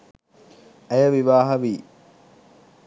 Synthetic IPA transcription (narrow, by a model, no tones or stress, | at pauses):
æjɐʋiʋaːɦɐʋiː